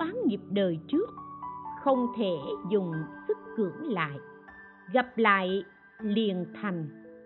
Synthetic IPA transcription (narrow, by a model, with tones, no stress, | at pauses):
aː˨˦nɲi˨˩əp̚ɗəː˨˩jt͡ɕɨ˦˥ək̚xə˧wŋ͡mt̪ʰe˧˩zʊ˨˩ŋ͡msɨ˦˥k̚ːɨ˧˩əŋla̰ː˧˨j | ɣa˨˩p̚la̰ː˧˨j | li˨˩ənt̪ʰa˨˩jŋ̟